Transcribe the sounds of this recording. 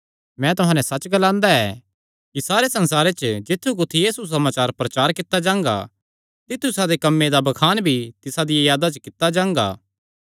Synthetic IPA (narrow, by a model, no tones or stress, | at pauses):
mɛ̃ːt̪ʊɦãːnɛsɐt͡ʃɡɐlãːnd̪aɛː | kisaːɾesɐ̃nsaːɾet͡ʃəd͡ʒɪt̪ʰːukʊt̪ʰːijiːsus̬ɐmaːt͡ʃaːɾpɾɐt͡ʃaːɾkɪt̪ːad͡ʒãːŋɡa̰ | t̪ɪt̪ʰːusad̪ekɐmːed̪abɐkʰaːnbʱit̪ɪsad̪ɪjajaːd̪at͡ʃəkɪt̪ːad͡ʒãːŋɡa̰ː